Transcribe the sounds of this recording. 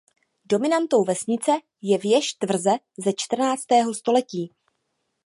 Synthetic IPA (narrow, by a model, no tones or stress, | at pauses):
do̞mɪnant̪o̞wvɛsɲɪt͡sɛ | jɛvjɛʃt̪vr̩zɛ | zɛt͡ʃt̪r̩naːt͡st̪ɛːɦo̞st̪o̞lɛciː